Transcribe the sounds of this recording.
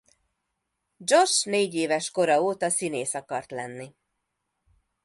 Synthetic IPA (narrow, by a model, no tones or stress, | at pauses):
d͡ʒo̞ʃneːɟeːvɛʃko̞ɾɒoːt̪ɒsineːsɒkɒrt̪lɛnːi